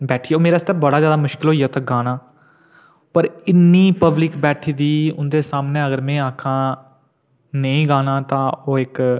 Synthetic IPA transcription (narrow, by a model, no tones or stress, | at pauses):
bɛːʈʰiːɛoːmeːɾaːst̪ɛːbəɽaːzjaːd̪aːmʊʃkɪlɦoːiːɛːt̪aːɡaːnaː | pəɾɪnːiːpəblɪkbɛːʈʰiːd̪iːʊnd̪eːsaːmnẽːəɡəɾmɛ̃ːaːkʰãː | nəĩːɡaːnãːt̪ãːoːɪk